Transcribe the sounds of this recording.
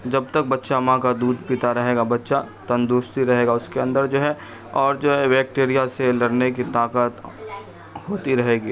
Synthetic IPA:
d͡ʒɐb̚t̪ɐk̚bɐtːʃamãkad̪uːd̪ʱpit̪aɾɐɦeːɡabɐtːʃat̪ɐ̃nd̪oːst̪iɾɐɦeːɡaʊskeɐ̃nd̪əɾd͡ʒoːɦɛ | ɔːɾd͡ʒoːɦɛʋɛːk̚ʈeːɾijaselɐɽnek̬it̪aːkət̪ | hoːt̪iɾɐɦeːɡiː

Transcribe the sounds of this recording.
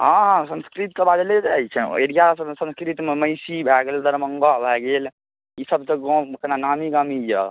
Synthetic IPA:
ɦãɦsə̃nskɾit̪̚kəbad̪led͡ʒajt͡ʃʰɛ̰eɽijassə̃nskɾit̪meməjsibʱɛɡeld̪əɾməŋɡabʱɛɡel | isəbt̪əɡɔ̃kənanamiɡamija

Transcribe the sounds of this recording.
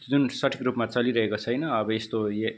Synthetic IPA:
d͡zunsʌʈʰi̥kɾupmat͡sʌliɾʌɦekot͡sʰʌjnʌːbʌest̪oje

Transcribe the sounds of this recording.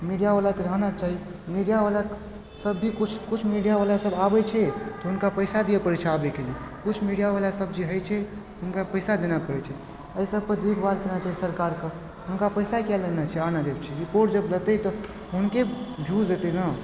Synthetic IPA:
miɖijabalakeɾəɦnat͡ʃaɦimiɖijaʋalak | səbːʱikut͡ʃʰkut͡ʃʰmiɖijabalasəbabɛt͡ʃʰɛt̪ɔɦunkapəɪsad̪ijapəɾet͡ʃʰabekeli | kut͡ʃʰmiɽijaβalasəb̚d͡ʒeɦəjt͡ʃʰɛ | ɦunkapəɪsad̪enapəɾɛt͡ʃʰɛ | əisəb̚ʱpəd̪ekʰbalkenat͡ʃaɦisəɾkaɾke | ɦunkapəɪsakɛlːenat͡ʃʰɛanad͡ʒebt͡ʃʰɛɾipoɾʈd͡ʒəblət̪ət̪ɔ | ɦunkebʱuet̪ɛna

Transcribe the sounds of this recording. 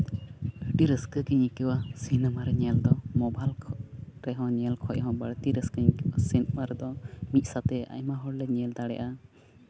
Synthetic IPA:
əʈiɾəskəkiɲikəwasinɛmaɾɛɲɛld̪ɔmɔbalʰɾɛɦɔ̃ɲɛlkʰɔʔɦɔ̃bəɽt̪iɾəskəɲkasinmaɾɛd̪ɔmit̪̚ˀsat̪ɛa̰jmaɦɔɽlɛɲɛld̪aɽɛ̰ʔa

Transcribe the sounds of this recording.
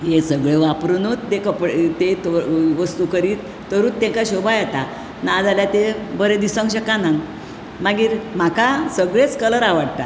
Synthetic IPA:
jesəɡɭeʋapɾunut̪ːekəpt̪et̪oʋəst̪ukəɾiːt̪ːəɾuːt̪ːẽŋkaɕobajɛt̪a | nad͡zaljat̪ebəɾẽd̪isə̃ŋɡɕəkanãŋɡ | mãɡiːɾm̤akasəɡɭet͡skələɾaʋaɽt̪a̰

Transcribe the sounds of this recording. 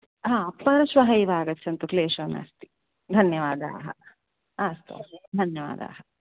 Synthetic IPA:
ɦãːɐpːɐɾɐʃʋɐɦɐiʋaːɡɐtːt͡ʃʰːɐnt̪ukleːʃɐna̰ːst̪i̥ | d̪ʱɐnjɐʋaːd̪a̰ːɦɐ̰ | ast̪ṵd̪ʱɐnjɐʋa̰ːd̪a̰ːɦɐ

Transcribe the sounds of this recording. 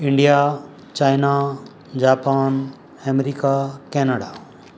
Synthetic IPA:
ɪɳɖija | t͡ʃaːjna | d͡ʒaːpaːn | ɛmeɾikakɛːnəɽaː

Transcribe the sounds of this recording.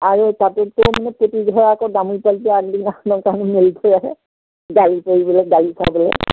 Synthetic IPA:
aɹutatʊtʊmanɛpotidʱɔɹaːkɔdamujpaltɛaddinaknɔkanmiltʰɔjaɦɛ̰ | ɡalipoɹibɔlɛɡalisʰa̰bɔlɛ̰

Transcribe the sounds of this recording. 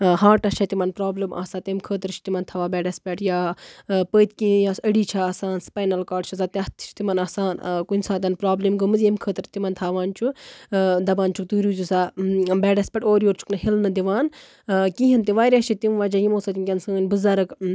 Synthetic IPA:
haːʈɐʃʰɐt̪imɐnpɾaːblima̰ːsaːt̪emkʰəːt̪̬ɨɾt͡ʃʰi̥t̪imɐnt̪ʰɐʋaːbɛːɖɐspʲeʈjaːpəːt̪kĩjasəɽiːt͡ʃʰaːsaːnspajnɐlkaːɖt͡ʃʰɐzaːt̪ɐt̪ʰt͡ʃʰi̥t̪imɐnɐːsaːnkunʲsaːt̪ɐnpɾaːblimɡəmɨzjemkʰəːt̪ɨɾt̪imɐnt̪ʰaːʋaːnt͡ʃʰu | d̪ɐbaːnt͡ʃʰuk̚t̪uːɾuːzusaːbɛːɖɐspʲɛːʈoːɾjoːɾt͡ʃʰu̥knɨhilnɨd̪iʋaːn | kĩːɦint̪iʋaːɾʲaʃʰit̪imʋaːd͡ʒajimoːsat̪imkʲɐnsəːnʲbɨzɐɾɐk

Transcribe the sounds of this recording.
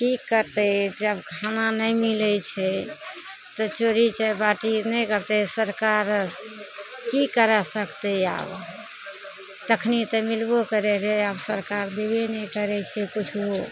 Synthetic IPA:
ʈikːəɾt̪ɛd͡ʒəbkʰananəjmilɛt͡ʃʰɛ | t̪ɔt͡ʃoɾit͡ʃɛbaʈinɛkəɾt̪ɛsəɾkaɾ | kikəɾɛsəkt̪ɛa̰b | t̪əkʰnit̪əmilbokəɾɛɾɛabsəɾkaɾd̪ebenɛkəɾɛt͡ʃʰɛkut͡ʃʰo

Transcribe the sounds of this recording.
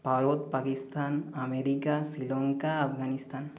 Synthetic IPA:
bʱaɾot̪pakist̪aːnameɾikasilɔŋkaɐpɡanist̪aːn

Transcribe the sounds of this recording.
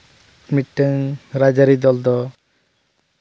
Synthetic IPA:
miʈːəŋɾad͡ʒaɾid̪ɔld̪ɔ

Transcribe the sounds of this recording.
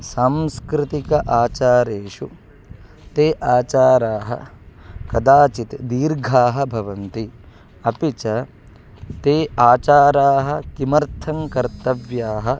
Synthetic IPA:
saːmskɾɪt̪ikɐʔaːt͡ʃaːɾeːʂu | t̪eːʔaːt͡ʃaːɾaːɦɐ̰kɐd̪aːt͡ʃit̪d̪iːɾɡʱaːɦɐ̆bʱɐʋɐnt̪i | ɐpit͡ʃɐ | t̪eːaːt͡ʃaːɾaːɦɐ̆kimɐɾt̪ʰɐŋkɐɾt̪ɐʋjaːɦɐ

